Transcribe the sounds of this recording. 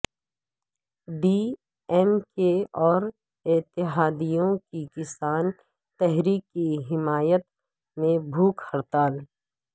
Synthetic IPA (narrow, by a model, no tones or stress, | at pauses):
biː | ɛmkeɔːɾ | ɪt̪ɪɦaːd̪ijõkikɪsaːn | t̪ɛɦɾiːkːiɦɪmaːjət̪ | mẽbʱuːkʰhəɾt̪aːl